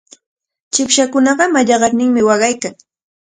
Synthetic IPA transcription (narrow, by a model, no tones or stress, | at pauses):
t͡ʃɪpʃakʊnɑɢɑmaʎɑɢɑɾnɪŋmɪwɑɢɑjkaŋ